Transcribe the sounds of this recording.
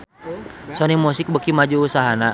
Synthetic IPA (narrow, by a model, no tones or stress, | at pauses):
sɔnimusik̚bəkimad͡ʒuːsaɦana